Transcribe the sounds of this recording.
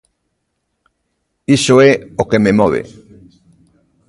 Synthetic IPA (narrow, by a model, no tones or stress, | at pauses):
isoɛokememɔβ̞ḛ